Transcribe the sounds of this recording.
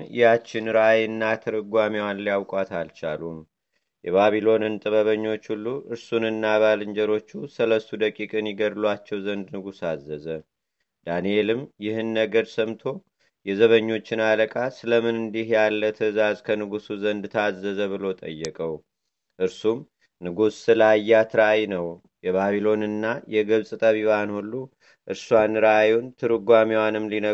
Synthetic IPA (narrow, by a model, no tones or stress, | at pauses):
ɪ̰jat͡ʃːɪnɾajɨnːat̪ʰəɾəɡʷamiwanlijawkʼat̪alt͡ʃa̰lum | jɛβaβilo̞nɨnt̪ʼɨβəβəɲːo̞t͡ʃːhulːuʔɨɾsunɨnːaβalɨɲd͡ʒɛɾo̞t͡ʃːusələst̪ud̪əkʼikʼɨnjɪɡəd̪lwat͡ʃːɛwzənd̪nɨɡusazːəzə | d̪anijelɨmjɪhɨnːəɡəɾsəmt̪ʰo̞ | jɛzəβəɲːo̞t͡ʃːɪnaləkʼasɨləmɨnɨnd̪ihjalːət̪ʰəzazkʰənɨɡusuzənd̪t̪ʰazːəzəβɨlo̞t̪ʼə̰jːɛkʼəw | ʔɨɾsum | nɨɡusːɨlajːat̪ʰɨɾajnəw | jɛβaβilo̞nɨnːajɛɡɨβsʼɨt̪ʼəβiβanhulːu | ʔɨɾsuwanɨɾajunt̪ʰɨɾɨɡʷamiwanɨmlinə